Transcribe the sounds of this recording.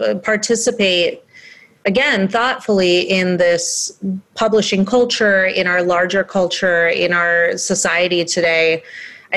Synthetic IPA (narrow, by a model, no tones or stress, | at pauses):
pʰɑɹtʰɪsɨpeɪɾ̚ | ʔɨɡɛ̃nθɔtfl̩ˠiɪ̃nðɪspʰʌbləʃɪ̃ŋkʰʌlˠt͡ʃə˞ɪ̃ñaʊə˞lɑɹd͡ʒə˞kʰʌlˠt͡ʃə˞ɪ̰̃naʊə˞sɨsaɪɨɾitʰɨdeɪ